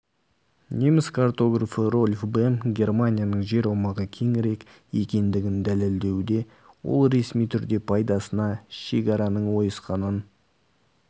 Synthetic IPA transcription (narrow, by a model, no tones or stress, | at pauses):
nʲemɪskʰart̪o̞ɡrafəro̞lʲfbemɡʲe̞rmanʲijanəɴʒe̞ɾuwmɑʁəkʲʰe̞ŋɪɾe̞k | e̞kʲe̞nd̪ɪɡʲɪnd̪æleld̪e̞wd̪e̞ | wo̞̰lˠɾe̞smijt̪ʰʏɾd̪e̞pʰɑjd̪ɑsənɑʃe̞kʲɑɾɑnəɴwo̞jəsqɑnən